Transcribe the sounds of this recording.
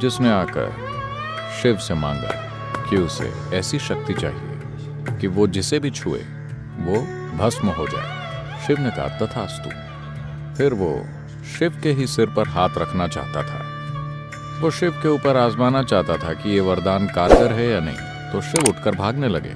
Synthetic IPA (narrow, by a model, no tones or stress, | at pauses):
d͡ʒɪsneaːkə̰ɾ | ʃɪʋsemãːŋɡa̰ | kiʊsḛ | ɛːsiʃɐk̚t̪it͡ʃa̰ːɦiḛ | kiʋod͡ʒɪsebʱit͡ʃʰṵːḛ | ʋo | bʱɐsməɦod͡ʒa̰ːḛ | ʃɪʋneka̰ːt̪at̪ʰaɐst̪ṵ̃ː | pʰɪɾʋo̰ː | ʃɪʋkeɦisɪɾpɐɾɦaːt̪ʰɾɐkʰnat͡ʃa̰ːɦt̪at̪ʰa̰ː | ʋoʃɪʋkeuːpəɾaːzmaːnat͡ʃaːɦt̪at̪ʰakijeʋɐɾd̪aːnkaːɾkəɾɦɛjaːnɐ̰ɦḭ̃ | t̪oʃɪʋʊʈʰkəɾbʱaːɡnelɐɡḛː